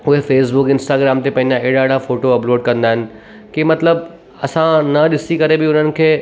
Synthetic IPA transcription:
ʊɦefeːsbʊkɪ̃nsʈaːɡɾaːmt̪epɐ̃ɦɪ̃ɲd͡ʑãɪɦɪɽaɪɽafoːʈoɐploːɖkɐ̃nd̪aːɦɪnɪ̆ | kimɐt̪ləb | ɐsãnɐɗɪsikɐɾebɪʊn̤ənɪ̆kʰeː

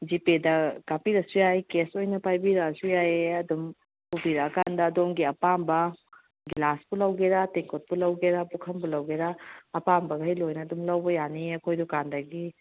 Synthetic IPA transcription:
d͡ʒipedɐkapiɾɐsujajkesojnɐpajbiɾasujaeɐdum | pubiɾakandɐːdomɡiɐpambɐ | ɡilaspulɐwɡeɾateŋkot̚pulɐwɡeɾabukʰɐmbulɐwɡeɾaːpambɐɡajlojnɐːdumlɐwbɐjaniɐkʰojdukandɐɡi

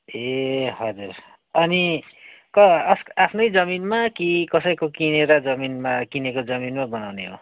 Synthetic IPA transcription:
ehʌd͡zur | ʌni | kʌsapʰnʌjd͡zʌminmakikʌsʌjkokineɾʌd͡zʌminmakinekod͡zʌminmabʌnawneɦo̰

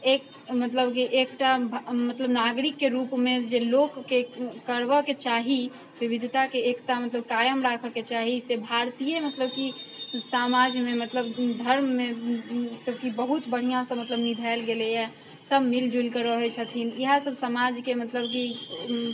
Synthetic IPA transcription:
ek | mət̪ləbkiʔekʈabʱmət̪ləbnaɡɾikːeɾupmed͡ʒelokːekəɾʋəket͡ʃaɦi | ʋibid̪ʱt̪akeːkʈamət̪ləb̚kajəmɾakʰəket͡ʃaɦisebʱaɾt̪ijemət̪ləbkisamad͡ʒmemət̪ləbd̪ʱəɾmːe | t̪əbkibəɦut̪bəɽ̤ijãsə̃mət̪ləbnid̪ʱalɡelejɛ | səbʱmild͡ʒʱulkəɾəɦet͡ʃʰət̪ʰiniɦasəbʱsəmad͡ʒkemət̪ləbki

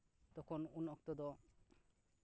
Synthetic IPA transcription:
t̪ɔkʰɔnunɔk̚t̪ɔd̪ɔ

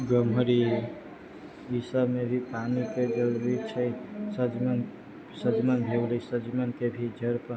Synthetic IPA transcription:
ɡəmɦəɾi | isəbmebʱipanikeɡəlbit͡ʃʰəsəd͡ʒmn | səd͡ʒmənbʱewlisəd͡ʒimənkebʱid͡ʒəɾpə

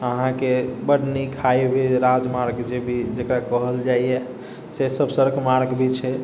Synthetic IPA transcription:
əɦãkebəɽnikʰajbʱeɾad͡ʒmaɾɡd͡ʒebʱid͡ʒekɾakəɦəld͡ʒaije | sesəbʱsəɾəkmaɾɡbʱit͡ʃʰɛ

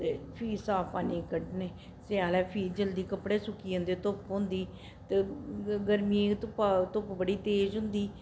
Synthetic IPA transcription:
t̪eːpʰiːsaːpaːniːkəɖneː | sɪaːlɛːpʰiːd͡ʒəld̪iːkəpɽeːsʊkiːʊ̃nd̪eːt̪ʊpɦʊ̃nd̪iː | t̪eːɡəɾmiːet̪ʊpat̪ʊpbəɽiːt̪eːd͡ʒɦʊ̃nd̪iː

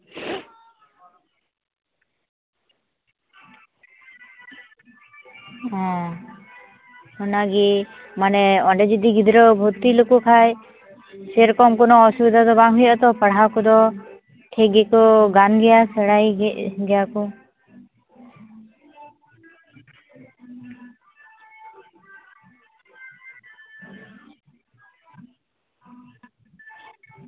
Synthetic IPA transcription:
ɛ̃ | hɔnaɡi | manɛɔɳɖɛd͡ʒid̪iɡid̪ʱɾɔbʱut̪ːilokukʰaj | seɾkɔmkɔnɔːsubid̪ʱad̪ɔbaŋɦujɔʔt̪ɔpəɽɦakɔd̪ɔ | ʈʰeɡɛkɔɡanɡɛjasɛɽajɡɛjaku

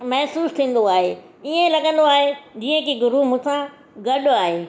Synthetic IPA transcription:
mɐɦɪsuːst̪ʰĩːn̆d̪oaːɦeː | iẽlɐɠə̃nd̪oaːɦed͡ʑiːə̃kiɡʊɾumʊ̃ːsã | ɡɐɗaːɦeː

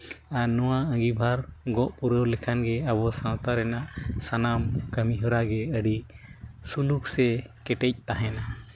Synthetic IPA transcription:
anɔwaə̃ɡibʱaɾɡɔʔpuɾəwlɛkʰanɡɛaβɔsãwt̪aɾɛnaʔsanamkəmiɦɔɾaɡɛəɖi | suluksɛkɛʈɛc̚t̪aɦɛna

